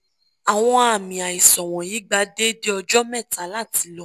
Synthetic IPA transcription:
a˨w̃ɔ̃˧a˨mĩ˨a˨i˨sɔ˨w̃ɔ̃˨ji˨˦ɡ͡ba˧de˦de˦ɔ˧d͡ʒɔ˦mɛ̃˦˨ta˨˦la˦˨ti˨˧˦lɔ˦

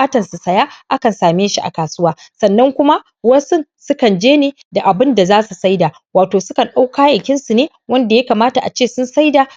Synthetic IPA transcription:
ʔaː˦tɐ˨nsu˨sɐ˨ja˦ʔa˦kɐ˨nsaː˨meː˦ʃi˦ʔa̰˨kaː˨sʊ˦waː˦ | sɐ˨nːɐ˦ŋkʷʊ˦ma˦ | wɐ˦sʊ˦nsʊ˦kɐ˨nd͡ʒeː˦neː˦ | da˨ʔa˨bɪ˦nda˨zaː˦su˨sa˦jdaː˨ | waː˨toː˨sʊ˦kɐ˨nɗa˦wkaː˦jɐ˨ŋkʲɪ˦nsu˨neː˦ | wɐ˦nda˨jɐ˦kaː˨maː˦ta˨ʔa̰˨t͡ʃeː˦˨sʊ˦nsa˦jda˨

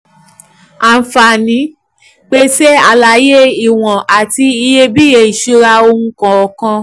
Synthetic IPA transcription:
a˨fa˨nĩ˨˦ | k͡pe˧se˦a˦˧˨la˨˦je˦i˦˨w̃ɔ̃˨ʔa˨ti˧i˧je˧bi˦e˨i˨ʃu˧˦ɾa˧o˧ŋũ˦kã˧ɔ˨kã˧

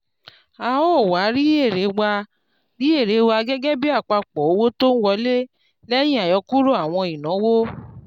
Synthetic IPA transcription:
a˨ɔ˦˨wa˨˦ɾi˦e˦˨ɾe˨˦wa˧ | ɾi˦e˦˨ɾe˨˦wa˧ɡɛ˦ɡɛ˦bi˦a˦˨k͡pa˧k͡pɔ˨o˧wo˦to˦n̩˦wɔ˧˦le˦ | lɛ˦j̃ĩ˦a˨jɔ˧ku˦ɾo˦a˦˨w̃ɔ̃˧i˨nɔ̃˨˦wo˦

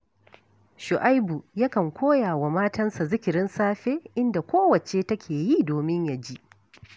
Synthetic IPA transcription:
ʃʊ˨ʔa˦jbu˨ja˦kɐ˨ŋkʷʰoː˦jaː˨wa˨maː˦tɐ˦nsa˨zɪ˦kʲɪ˨ɾɪ˦nsaː˦ɸeː˦ʔɪ˦nda˨kʷoː˦wɐ˨t͡ʃe˦tɐ˦kʲʰeː˨ji˦doː˨mɪ˦ɲja˨d͡ʒi˦ʔ

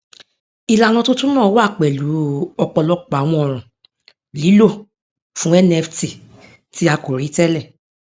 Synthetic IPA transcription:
i˨la˨nã˧to˦tũ˦nãː˦˨˧wa˦˨k͡pɛ˨lu˨˦ɔ˧k͡pɔ˧lɔ˧˦k͡pːw̃ɔ̃˧ɔ˨ɾ̃ũ˨ | li˨˦lo˦˨ | fũ˨˦ɛ˦nɛ˧fti˨ | ti˨˦a˧ko˨ɾi˨˦tɛ˦lɛ˦˨

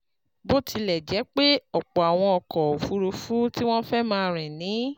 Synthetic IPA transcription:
bo˦tʰi˧lɛ˨d͡ʒɛ˨˦k͡pe˦ɔ˨k͡pɔ˨a˨w̃ɔ̃˧ɔ˧kɔ˨o˨fu˨˦ɾo˧fu˦ti˦w̃ɔ̃˦fɛ˦mãː˧ɾ̃ɛ̃˨nĩ˨˦

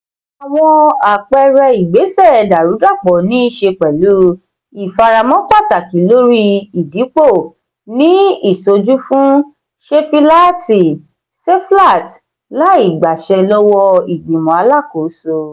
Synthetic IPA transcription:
a˨w̃ɔ̃˧a˨k͡pɛ˧ɾɛ˧i˨ɡ͡be˨˦sɛ˦˨da˨ɾu˨˦da˦˨k͡pɔ˨nĩ˦ʃe˧k͡pɛ˨lu˨˦ | i˨fa˧ɾa˧mɔ̃˦k͡pa˦˨ta˨ki˨˦lo˦ɾi˦i˨di˨˦k͡po˦˨ | nĩ˦i˦˨so˧d͡ʒu˦fũ˦ | ʃe˦fi˦la˦ti˨ | se˦fla˦˨t | la˨˦i˦˨ɡ͡ba˨ʃɛ˧lɔ˦wɔ˧i˨ɡ͡bĩ˨mɔ̃˨a˧˦la˦˨ko˨˦so˧

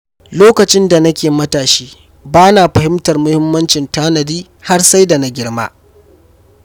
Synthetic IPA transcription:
loː˦kɐ˨t͡ʃɪ˦nda˨nɐ˦kʲeː˨mɐ˦taː˨ʃiː˦ | baː˦naː˨ɸɐ˨hɪ˦mtɐ˨rmʊ˦hɪ˦mːɐ˦nt͡ʃɪ˨ntaː˦nɐ˨diː˦ | ha˦rsa˦jda˨na˦ɡʲɪ˦ɽma̰ː˦

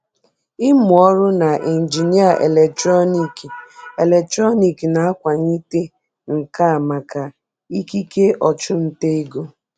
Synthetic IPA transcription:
ɪ˦mʊ˨ɔ˦ɾʊ˦na˨ʔe˨n̩˨d͡ʒi˨ni˦a˨ʔe˨le˨tɾɔ˦ni˦˨ki˨e˨le˨tɾɔ˦ni˨ki˨na˨˦a˦kʷa˨ɲi˦te˦ | ŋ̩˨ka˦a˨ma˨ka˨ | i˦ki˦ke˦ɔ˨t͡ʃʊ˦n̩˨te˦i˦ɡo˦

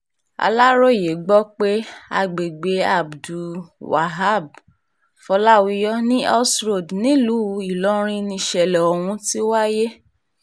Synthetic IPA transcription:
a̰˧la˦ɾo˦˨je˨ɡ͡bɔ˦k͡pe˦a˧ɡ͡be˨ɡ͡be˧a˨bdu˨wa̰˨ɦa˦˨b̚ | fɔ˧la˦wi˧jɔ˦nĩ˦ɔ˦sɾo˦˨dnĩ˨˦lu˨˦˧i˨lɔ˦ɾ̃ĩ˦nĩ˧ʃɛ˧˨lɛ˨o˨w̃ũ˧ti˦wa˦je˦

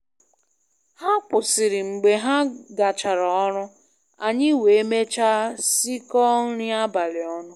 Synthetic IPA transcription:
ha˦k͡pʊ˨sɪ˨ɾɪ˨ŋ͡m̩˨ɡ͡be˨ɦa˦ɡa˨t͡ʃa˨ɾɔ˨ɔ˦ɾʊ˦ | a˨ɲɪ˦we˨e˦me˦t͡ʃa˦si˦kɔ˦ŋ̩˦ɾɪ˦a˦ba˨lɪ˨ɔ˦nʊ˦

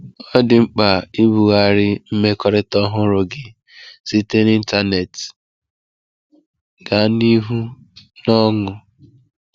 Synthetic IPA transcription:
ɔ˦dɪ˨ŋ͡m̩˦k͡pa˨i˦bu˨ɣa˨ɾɪ˦m̩˦me˦kɔ˦ɾɪ˦tɔ˦ɦʊ˦ɾʊ˨ɡɪ˨ | z̥i˦te˦ni˦n̩˦ta˦ne˨t | ɡa˨˦ni˦ɦu˦ | nɔ˦ŋʊ˨

